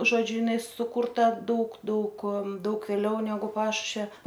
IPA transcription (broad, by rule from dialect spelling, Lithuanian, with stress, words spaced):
ʒoːˈd͡ʒʲʊ jɪˈnɐɪ sʊkʊrˈtɐ ˈdɐʊk ˈdɐʊk ˈdɐʊk ʋʲeːˈlʲɛʊ nʲɛˈɡʊ ˈpɑːʃʊʃʲʋʲɛ